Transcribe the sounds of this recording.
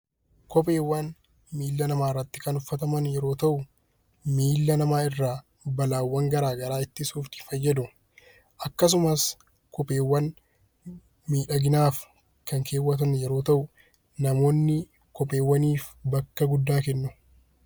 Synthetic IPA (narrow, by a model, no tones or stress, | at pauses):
kɔpʼe̞ːwːaːn | miːlːɐnɐmaːɪrːɐt̪ːɪ̥kɐnʊfːɐt̪ɐmɐnjɛɾo̞ːt̪ɐʔʊ | miːlːɐnɐmaːɪrːaː | bɐlaːwːɐŋɡɐɾaːɡɐɾaːɪt̪ːɪsuːft̪ɪ̥fɐjːɐd̪ʊ | ʔɐkːɐs̬ʊmɐs | kɔpʼe̞ːwːɐn | miːᶑɐɡɪnaːf | kɐŋkʰe̞ːwːɐt̪̬ɐnjɛɾo̞ːt̪ɐʔʊ | nɐmo̞ːnːɪ | kɔpʼe̞ːwːɐniːfbɐkːɐɡʊd̪ːaːkɛnːʊ